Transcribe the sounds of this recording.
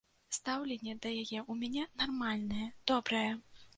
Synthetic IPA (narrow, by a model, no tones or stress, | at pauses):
st̪awlʲɛnʲːɛd̪ɐjajɛʔumʲanʲɛnarmalʲnɐjɛd̪̥ɔbɾɐjɛ